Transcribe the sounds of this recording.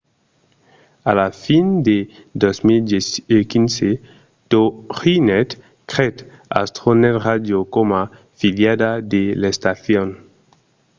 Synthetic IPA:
alafind̪ed̪osmild̪ekinse | t̪oʁinet̪ | kɾet̪ | a̰st̪ɾonet̪rad̪jokoma | filjad̪ad̪elest̪aθjon

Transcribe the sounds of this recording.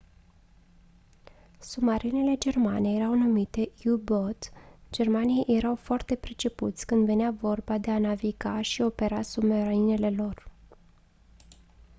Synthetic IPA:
sumaɾinele̞d͡ʒe̞rmane̞je̞ɾawnumit̪e̞jubot̪d͡ʒe̞rmanijejje̞ɾawfoart̪e̞pɾet͡ʃe̞put̪sʲkɨnd̪ve̞neavo̞rbad̪e̞anaviɡaʃio̞pe̞ɾasumaɾine̞le̞lo̞r

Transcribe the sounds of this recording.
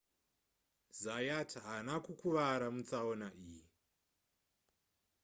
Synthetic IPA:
zajatʰɦanakukuʋaɾamut͡saonaʔiːji

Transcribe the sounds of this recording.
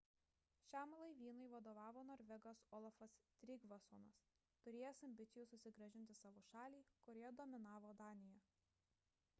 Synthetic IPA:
ʃʲæmlˠɐɪʋʲiːnɐɪʋɐd̪oːʋɑːʋoːnoːɾʲʋʲɛɡoːsoːlˠɐfɐst̪ʲɾʲɪɡʋɐso̰ːnɐs | t̪ʊɾʲeːjɛsɐmʲbʲɪt̪sʲɪjuːˑsʊsʲɪɡɾɐʒʲɪnʲt̪ʲɪsɑːʋoːʃɑːlʲiːkʊɾʲjɛd̪oːmʲɪnɑːʋoːd̪ɑːnʲɪjɛ

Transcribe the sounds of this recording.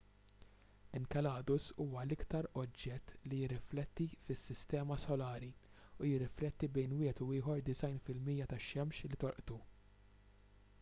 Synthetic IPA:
ɪŋkɛlɐːd̪ʊsuːwɐlɪkt̪ɐɾɔd͡ʒːɛt̪ːlijɪrːɪflɛt̪ːifɪsːɪst̪ɛːmɐsɔlɐːɾi | ujɪrːɪflɛt̪ːibɛjnwɪːhɛt̪uɪːħɔɾd̪ɪsɐjnfɪlmijːɐt̪ɐʃːɛmʃlit̪ɔɾʔt̪u

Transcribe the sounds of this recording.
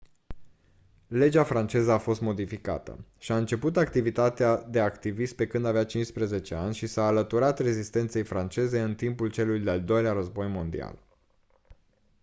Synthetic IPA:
le̞d͡ʒafɾant͡ʃe̞zəafo̞st̪mo̞d̪ifika̰t̪ə̰ʃiaɨnt͡ʃe̞put̪akt̪ivit̪at̪ead̪e̞akt̪ivist̪̚pe̞kɨnd̪aveat͡ʃinʃspɾəze̞t͡ʃeanʲʃisaːlət̪uɾat̪re̞zist̪e̞nt̪se̞jfɾant͡ʃe̞ze̞ɨnt̪impult͡ʃe̞lujd̪eald̪o̞jleaɾəzbo̞jmo̞nd̪ḭa̰l

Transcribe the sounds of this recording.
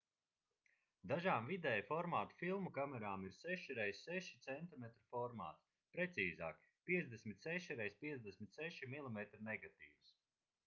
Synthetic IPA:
d̪aʒaːmvid̪ɛjfɔɾmaːt̪u̥filˠmukamɛɾaːmiɾsɛʃiɾɛjsʲsɛʃi̥t̪sɛnt̪imɛt̪ɾifɔɾma̰ːt̪ | pɾɛt̪siːza̰ːk | pʲiɛzd̪esmit̪sɛʃiɾɛjspʲiɛzd̪esʲmʲit̪sɛʃimilˠimet̪ɾinɛɡat̪ḭːvs

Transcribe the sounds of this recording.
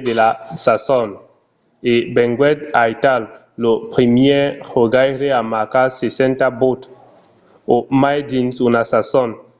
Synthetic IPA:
d̪elasasɔn | ebɛ̃ŋɡwɛt̪ajtalː | opχimjɛhoɡajɾeamakasesɛ̃nt̪abot̪ | omajdinsunasasɔn

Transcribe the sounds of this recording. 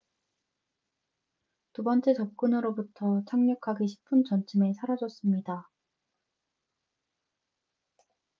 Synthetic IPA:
tubʌnt͡ɕ͈e̞t͡ɕʌp̚k͈unɯɾobutʰʌt͡ɕʰaŋɲʌkʰaɡeɕʰi̥pʰɯnt͡ɕʌnt͡ɕʰime̞sʰaɾad͡ʑʌs͈ɯmɲida

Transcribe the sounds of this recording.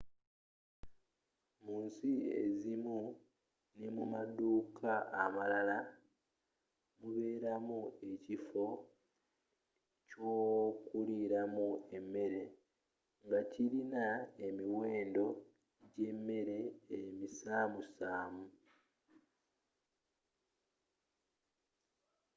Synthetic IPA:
muːnsiḛzimu | nemumaduːkaːmalala | muβe̞ːɾamue̞cifo̞ | coːkuliɾamue̞mːe̞ɾe̞ | ŋɡaciɾinae̞miwe̞ːndo̞ | ɟe̞mːe̞ɾe̞ːmisaːmusaːmu

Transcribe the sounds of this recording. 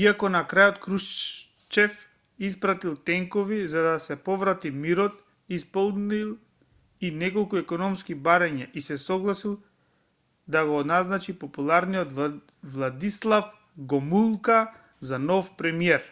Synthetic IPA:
iakɔnakɾajɔt̪kɾu | t͡ʃɛf | ispɾat̪ilˠt̪ɛŋkɔvizad̪asɛpɔvɾat̪imiɾɔt̪ | ispɔlˠnilˠ | inɛkolˠkuɛkɔnɔmskibaɾaɲaʔisɛsɔɡlˠasilˠ | d̪aɡoːd̪naznat͡ʃipɔpulˠaɾniɔd̪ | vlˠad̪islˠaf | ɡɔmulˠka | zanɔfpɾɛmiɛɾ

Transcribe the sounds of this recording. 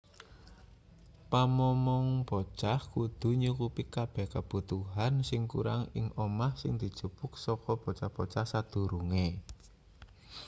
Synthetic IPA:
pamɔmɔŋb̥o̥t͡ʃahkud̪̥ṳɲukupikab̥ɛhkəb̥ṳt̪uɦansɪŋkṵɾa̰ŋɪ̰ŋʔomahsɪŋd̪̥i̤d̥ʒ̥ṳpʊk̚sɔkɔb̥o̤t͡ʃahb̥ot͡ʃahsad̪̥ṳɾuŋe

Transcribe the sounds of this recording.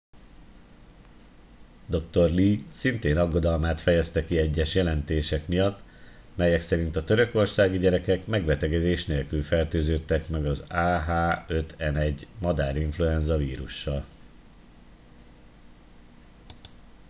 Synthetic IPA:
d̪o̞kt̪o̞rliːsint̪eːnɒɡːo̞d̪ɒlmaːt̪fɛjɛst̪ɛkiɛɟːɛʃjɛlɛnt̪eːʃɛkmijɒt̪ː | mɛjɛksɛɾint̪ɒt̪ø̞ɾø̞ko̞rsaːɡiɟɛɾɛkɛkmɛɡbɛt̪ɛɡɛd̪eːʃneːlkylfɛrt̪øːzøːt̪ːɛkmɛɡɒzaːɦaːø̞t̪ɛnɛɟːmɒd̪aːɾiɱfluɛnzɒviːɾuʃːɒl

